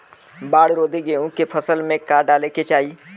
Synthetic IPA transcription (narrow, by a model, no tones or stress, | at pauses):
baːɽɾoːd̪eɡeʊ̃kepʰəsəlmẽkaːɖaːleket͡ʃaːiː